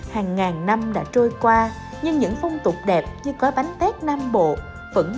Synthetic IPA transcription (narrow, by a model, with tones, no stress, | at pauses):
haː˨˩ŋːaː˨˩ŋna˧mɗa̰ː˧˥t͡ɕo˧jkwaː˧ | ɲɨ˧ŋɲɨ̰˧˥ŋfɔ˧wŋ͡mt̪ʊ˨˩k͡p̚ɗɛ˨˩p̚ɲɨ˧kɔ˨˦ɓa˨˦jŋt̪ɛ˦˥k̚naː˧mɓo̰˧˨ | və̰˧˥˩ŋ